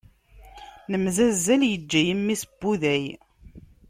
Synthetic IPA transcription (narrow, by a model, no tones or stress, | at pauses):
nəmzæzːæljəd͡ʒːæjəmːisəb̥ːuðæj